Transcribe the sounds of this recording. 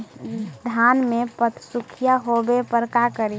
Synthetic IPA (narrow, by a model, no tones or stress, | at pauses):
d̪ʱanmepət̪ʰsukʰijaɦobepəɾkakəɾi